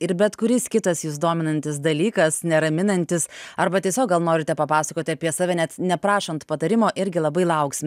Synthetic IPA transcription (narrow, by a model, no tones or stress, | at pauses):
ɪɾbʲɛt̪kʊɾʲɪskʲɪt̪ɐsjusd̪oːmʲɪnɐnʲt̪ʲɪs̬d̪ɐlʲiːkɐsnʲɛɾɐmʲɪnɐnʲt̪ʲɪsɐɾbɐt̪ʲiɛsʲoːk̚ɡɐlˠnoːɾʲɪt̪ʲɛpɐpɑːsɐkoːt̪ʲɪɐpʲiɛsɑːʋʲɛnʲɛt̪nʲɛpɾɑːʃont̪pɐt̪ɐɾʲɪmoːʔɪɾʲɡʲɪlˠɐbɐɪlˠɐʊksʲɪmʲɪ